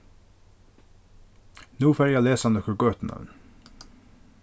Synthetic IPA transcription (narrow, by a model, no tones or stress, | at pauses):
nuːfæɾjæleːsɑnɔkəɡøːt̪n̩ɑ̰n